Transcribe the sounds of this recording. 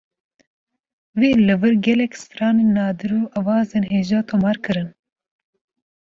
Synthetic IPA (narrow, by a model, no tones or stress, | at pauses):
weːlɨvɨɾɡʲɛlɛksɨ̥fɾɑːneːnːɑːd̪ɨɾuːʔɐwɑːzeːnɦheːʒɑːt̪ʰomɑːɾkɨɾɨn